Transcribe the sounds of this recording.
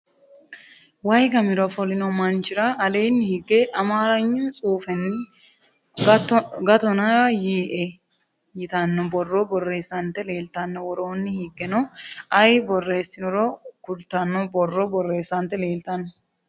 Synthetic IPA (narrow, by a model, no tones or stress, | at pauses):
wɐjɡɐmɪɾɔfɔlɪnɔmɐnt͡ʃɪɾɐʔɐle̞ːnːɪhɪɡeːʔɐmaːɾɐɲːʊt͡sʼuːfɛnːɪ | ɡɐt̪ɔnɐjiːʔe | jɪt̪ɐnːɔbɔrːobɔrːeːsːɐnt̪ɛle̞ːlt̪ɐnːɔwɔɾoːnːɪhɪɡːɛnɔɐjbɔrːe̞ːsːɪnɔɾɔkʊlt̪ɐnːɔbɔrːɔbɔrːe̞ːsːɐnt̪ɛle̞ːlt̪ɐnːɔ